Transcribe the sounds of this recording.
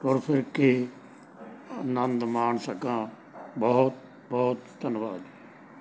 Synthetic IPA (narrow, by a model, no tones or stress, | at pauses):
t̪ɔːɾpʰɪɾke | ənə̃nd̪mãːɳsəkãː | bɔːʊt̪̚ | bɔːt̪ːənʋaːd̪i